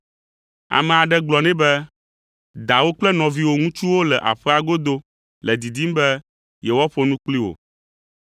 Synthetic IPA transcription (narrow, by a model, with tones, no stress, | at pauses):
a̰˨mɛ̃˨a˨ɖɛ˦ɡ͡blɔ˨nɛ̃˦bɛ˦ | d̪a˨wo˦k͡plɛ˦nɔ̃˨vi˦wo˦ŋũ˦t͡ʃu˦wo˦lɛ˨ʔa̰˨ɸɛ˦a˨ɡo˦d̪o˦ | lɛ˨d̪i˨d̪i˦m˦bɛ˦ | jɛ˨wɔ˦ɸo˨nũ˦k͡pli˦wo̰˨